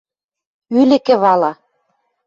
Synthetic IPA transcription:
ylɘ̆kɘ̆βɑlɑ

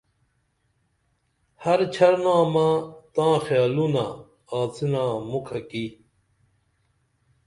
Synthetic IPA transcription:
hɐɾt͡ɕʰɐɾnãːmãt̪ãːxjaːlunaː | aːt͡sinãːmukʰɐki

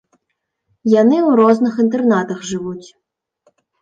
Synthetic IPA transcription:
janɪuɾɔznɨxint̪ɛrnat̪ɐxʐɪʋutʲ

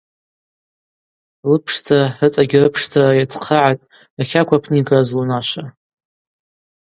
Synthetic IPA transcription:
lɨpʰʂtʰaɨt͡sʼaɡʲɪrɨpʰʂtʰarajat͡sʰʼqʰaʕatʼ | aχʲakʷʰapʰniɡazlunaʃʷa

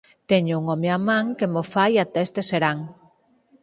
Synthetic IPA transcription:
t̪eɲʊuŋomeamãŋkemofajat̪ɛst̪eseɾaŋ

